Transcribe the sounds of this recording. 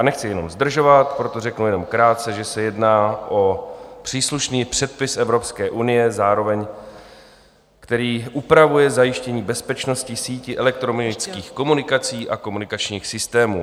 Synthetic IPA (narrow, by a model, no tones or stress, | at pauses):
nɛxt͡sɪjɛno̞mzd̪r̩ʒo̞vat̪pɾot̪o̞rɛknujɛno̞mkɾaːt̪̚t͡sɛʒɛsɛjɛdnaːʔo̞pr̝̥iːsluʃniːpr̥ɛt̪̚pɪsʔɛvɾo̞pskɛːʔunɪjɛzaːɾo̞vɛɲ | kt̪ɛɾiːʔupɾavujɛzajɪʃcɛɲiːbɛspɛt͡ʃno̞scɪsiːcɪʔɛlɛk̚t̪ɾomt͡skiːxko̞munɪkat͡siːʔako̞munɪkat͡ʃɲiːxsɪst̪ɛːmṵː